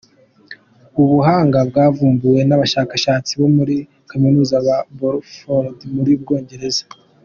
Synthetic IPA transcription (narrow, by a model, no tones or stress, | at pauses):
uβuɦaːŋɡabɡaːvuːmbuwe̞naβaʃaːkaʃaːt͡siβo̞muɾi | kaminuːzaβaboɾfodmuɾib̚ɡo̞ːɲɟe̞ɾe̞zḁ